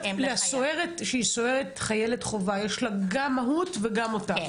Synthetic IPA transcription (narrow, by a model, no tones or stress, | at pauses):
leasoeʁetʃeisoeʁetχajeletχo̞vajeʃlaɡamːaɦutveɡamota